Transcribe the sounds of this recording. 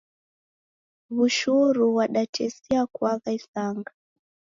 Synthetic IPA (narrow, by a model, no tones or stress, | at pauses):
βuʃuɾuwaɗat͡ʃɛsiakwaɣaisaŋɡa